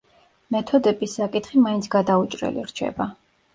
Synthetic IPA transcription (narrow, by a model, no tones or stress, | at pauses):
mɛt̪ʰɔd̪ɛbisːakʼit̪χimaint̪sʰɡad̪aut͡ʃʼɾɛ̰lḭɾt͡ʃʰɛ̰ba